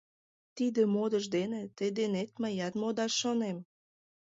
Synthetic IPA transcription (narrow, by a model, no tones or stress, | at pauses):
t̪id̪ĕmod̪əʒd̪enĕt̪ed̪enet̪məjɑt̪mod̪ɑʃːonem